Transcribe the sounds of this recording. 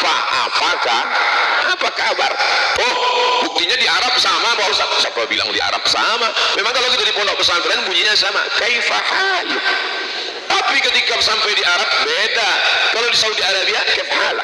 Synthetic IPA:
fa̰a̰pakahapakaba̰rt̪ɔhbuk̚t̪iɲadiaɾap̚samamalosasapabila̰ŋdḭa̰ɾa̰p̚sa̰mamemaŋkalok̬it̪adipɔndɔʔ̚pəsampɛanbuɲiɲasama̰kaifahajṵ | t̪apikət̪ikasampɛjdiaɾap̚bedakalodisaudiaɾabiakɛt̚hala̰

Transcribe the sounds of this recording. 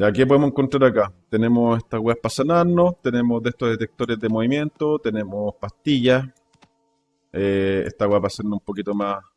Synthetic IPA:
akep̬oemoseŋkontɾaɾakat̪ene̞moseht̪aweapasanaɾnost̪ene̞moðe̞ht̪o̞ðe̞t̪ek̚t̪o̞ɾezðemoβimje̞nt̪ot̪ene̞mospast̪iʝa | eḛht̪aweapaseɾnoumpokit̪omas

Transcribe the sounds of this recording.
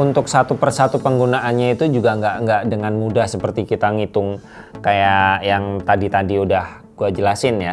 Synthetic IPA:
unt̪ʊksat̪upərsat̪upəŋɡunaʔːnɲait̪ud͡ʒuɡaəŋɡaʔŋɡaʔdəŋanmudahsəpərt̪ikit̪aŋit̪ʊŋ | kajajaŋt̪adit̪adiudah | ɡ̥uad͡ʒəlasɪnja

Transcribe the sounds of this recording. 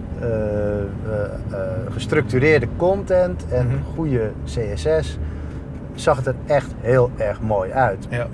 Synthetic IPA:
ɣəstrɵk̚tyɾɪːrdəkɔntɛntɛnxujəseːɛsɛs | sɑxətərɛxtɦɪːlˠɛrxmoːjœɥt

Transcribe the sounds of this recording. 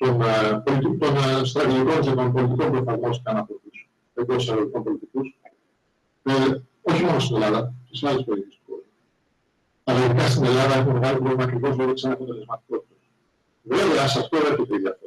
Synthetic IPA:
t̪o̞npolit̪it̪o̞nst̪ɾɐt̪iʝiko̞nzet̪o̞npolit̪iko̞mpɾofɐɾmosceɐnɐpotis | ekosɐðiʝikompo̞lit̪ikus | e | o̞çimo̞nost̪ine̞lɐðɐt̪isiɐlispoðit̪ist̪kozu | ɐliðikɐst̪ine̞lɐðɐe̞xumemeɣalopɾo̞vlimɐːkɾivo̞lɐðiksenɐpot̪ele̞zmɐt̪iko̞t̪i̥t̪es | ve̞veɐsɐft̪o̞epçet̪e̞iðɐfe

